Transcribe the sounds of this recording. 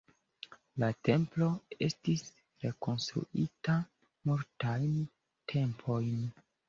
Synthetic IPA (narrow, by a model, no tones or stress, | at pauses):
late̞mplo̞e̞̰stis | ɾe̞ko̞nstɾṵʔita | muɾtajn | tʰe̞mpʰo̞jn